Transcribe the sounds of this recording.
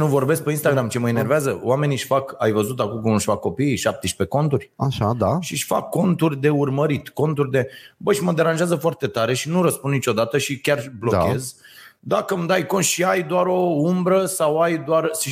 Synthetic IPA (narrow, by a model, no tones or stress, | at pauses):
nuvo̞rbe̞s̬k̚peinst̪aɡɾamt͡ʃeməine̞rveazəwame̞niʃfaka̰jvəzut̪̬akumkunuʃʲfakːo̞piːʃap̚t̪eʃpe̞ko̞nt̪urʲaʃad̪aʃiʃʲfa̰kːo̞nt̪urʲd̪e̞urməɾit̪ko̞nt̪urʲd̪e̞bəʃiməd̪e̞ɾanʒeazəfoart̪e̞t̪aɾe̞ʃinuɾəspunit͡ʃo̞d̪at̪əʃikʲarblokʲe̞z | d̪akəmd̪ajkont̪ʃiajd̪oaɾo̞umbɾəsawajd̪oarʃi